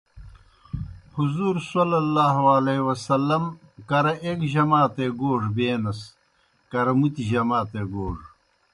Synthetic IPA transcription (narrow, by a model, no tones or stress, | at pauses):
huzuːɾsɐlɐlːaːɦalewɐsɐlːɐm | kɐɾɐʔeːkʑɐmaːt̪eːɡoːʐbeːnɐs | kɐɾɐmut̪iʑɐmaːt̪eːɡoːʐ